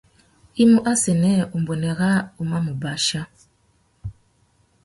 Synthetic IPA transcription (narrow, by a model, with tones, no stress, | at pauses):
i˦mu˦ʔa˦sɛ˨nɛ˦u˨m˨bo˨nɛ˨ɣa˦u˨ma˦mu˨ba˨ʃa˦